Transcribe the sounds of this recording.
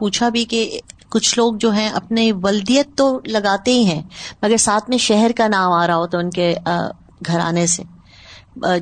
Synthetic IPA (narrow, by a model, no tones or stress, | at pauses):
puːt͡ʃʰabʱikekʊt͡ʃʰloːɡ̚d͡ʒoːɦɛ̃ʔɐ̰pneʋɐld̪ijət̪ːolɐɡaːt̪eɦĩɦɛ̃ːmɐɡəɾsaːt̪ʰmẽʃɛɦɛɾkanaːmaːɾɐɦaɦoːt̪oʊnkḛ | ɡʱɐɾa̰ːnesḛ